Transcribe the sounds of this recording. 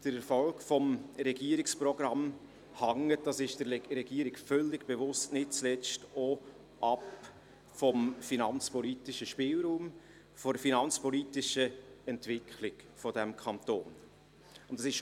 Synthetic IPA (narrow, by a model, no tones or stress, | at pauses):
d̥əɾɛɾfɔlkfɔmɾɛɡiəɾɪksprɔɡ̥ɾɑm | hɑŋːətd̥ɑsɪʃd̥əɾɾɛɡiːɾɪɡfœlːɪɡb̥evʊstnɪt̚t͡slɛt͡sto | ʔɑp | fɔmfinɑnt͡spɔlitɪʃəʃpɪːlɾuːm | fɔdəfinɑnt͡spɔlitɪʃəɛntvɪkʰχlɪk | fɔdæmkʰɑnt̪o̰ːn | ʊntdɑsɪʃ